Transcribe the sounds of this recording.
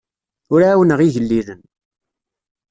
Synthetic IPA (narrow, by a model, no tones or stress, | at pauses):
ʊɾaːwənəʁiʝəlːiðən